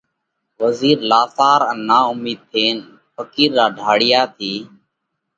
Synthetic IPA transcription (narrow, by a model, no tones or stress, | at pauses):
ʋəziːɾlaːsaːɾənːaːʊmiːd̪̚t̪ʰeːn | pʰəkiːɾːaːɖʱaːɽɪjaːt̪ʰiː